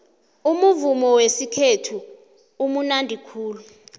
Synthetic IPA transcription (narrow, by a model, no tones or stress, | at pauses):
umuvumɔwesikʰetʰu | umunandʱikʰuːlu